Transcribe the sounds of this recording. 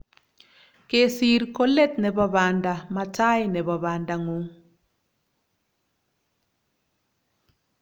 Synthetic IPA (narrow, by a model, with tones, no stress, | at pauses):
ke˦si˦ɾkɔ˦lɛ˦t̪nɛ˨ba˦βa˨nda˨ma˨ta˦jnɛ˨βa˨βa˨nda˨ŋo˨